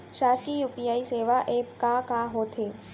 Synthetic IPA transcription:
ʃaːskijuːpijaːiseːʋaʔeːpkakaːɦoːt̪ʰeː

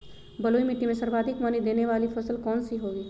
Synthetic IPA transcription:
bɐloːimɪʈːimẽsɐɾbaːd̪ʱɪkmaːnid̪eːneʋaːlifɐsəlkɔːnsiɦoːɡiː

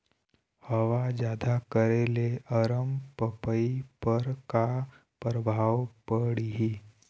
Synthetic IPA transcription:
həʋad͡ʒjaːd̪akəɾeleəɾəmpəpəipəɾka | pɾəbʱaːwpəɽiɦiː

